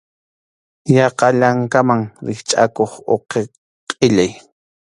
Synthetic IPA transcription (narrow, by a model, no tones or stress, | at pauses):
jɑqɑʎaŋkamaŋɾɪχt͡ʃʼa̰koχo̰qe | qʼɪʎaj